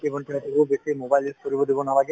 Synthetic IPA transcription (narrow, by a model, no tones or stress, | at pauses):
ekɔɳʈenet̪ʰikubesimobajliskoɾibod̪ibonalaɡe